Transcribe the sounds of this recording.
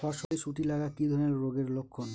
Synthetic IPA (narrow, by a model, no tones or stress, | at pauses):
ɔʃoeʃuʈilaɡakid̪ʱɔɾneɾɾoɡeɾlokʰːon